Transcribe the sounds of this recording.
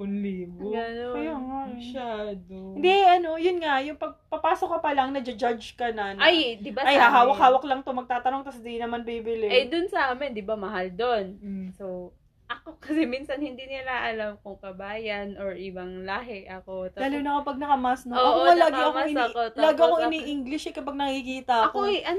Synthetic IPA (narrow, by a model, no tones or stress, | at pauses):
ʊnliːboɡɐnojaŋammɐʃaːd̪ohɪnd̪ɛʔɐno̞jʊnŋajʊŋpɐɡ̚pɐpaːso̞kɐpɐlɐŋnɐd͡ʒɐd͡ʒad͡ʒkɐnɐnajd̪ɪbaɐjhaɦaːwɐkhaːwɐklɐŋt̪o̞mɐɡ̚t̪aːt̪ɐno̞ŋt̪ɐsd̪inɐmanbibɪlɪɛd̪ʊnsɐʔaːmɛnd̪ɪbamɐɦald̪onso | ʔɐkokɐsɛminsɐnhɪnd̪inɪlaʔɐlamkʊŋkɐbaːjɐnʔoɹʔɪbɐŋlaːɦɪʔɐkot̪ɐdaːlonɐkopɐɡ̚nɐkɐmasnoɐkomɐlɐɡaʔɐmoɪot̪laɡakoŋɪniːʔiŋɡlɪʃɛkɐpaɡ̚nɐkikiːt̪ɐʔɐkoʔɐn